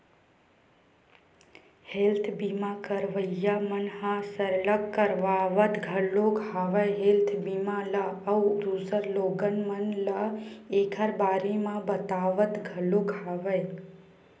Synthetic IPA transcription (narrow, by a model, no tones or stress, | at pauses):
helt̪ʰbimãkəɾʋəjamənhãsəɾləkkːəɾʋaʋət̪ɡʱəloɡʰʱaʋəjɦelt̪ʰbimãləəwɾusəɾloɡənmənləekʰəɾbaɾimãbət̪aʋət̪ɡʱəloɡʰʱaʋəj